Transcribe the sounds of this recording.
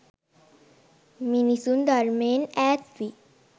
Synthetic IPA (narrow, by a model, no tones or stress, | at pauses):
minisund̪aɾmenæssi